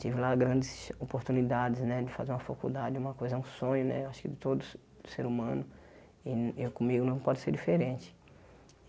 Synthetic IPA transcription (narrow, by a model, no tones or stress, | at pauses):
t̪ivɪlaɡɾɐ̃nd͡ʒɪsopoɾt̪unid̪ad͡ʒɪznɛd͡ʒɪfazeɾũmɐfakṵd̪ad͡ʒɪũmɐkojzɐɛũsõɲʊnɛ̰ewaʃʊ̥kɪd̪ɪt̪od̪ʊ | ʊseɾumɐ̃nʊ | ɪkõmiɡʊnɐ̃w̃pɔd̪ɪseɾd͡ʒifeɾẽnt͡ʃɪ̥